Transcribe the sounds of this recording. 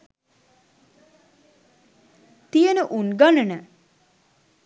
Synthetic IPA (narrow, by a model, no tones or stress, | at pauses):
t̪ijənəʔunɡanənə